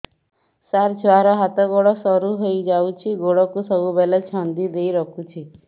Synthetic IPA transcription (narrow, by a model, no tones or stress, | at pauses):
saɾt͡ʃʰoaɾɔɦat̪ɔɡoɽɔsɔɾuɦojd͡ʒawt͡ʃʰiɡoɽɔkusɔbubɛlet͡ʃʰɔnd̪id̪ejɾɔkʰut͡ʃʰi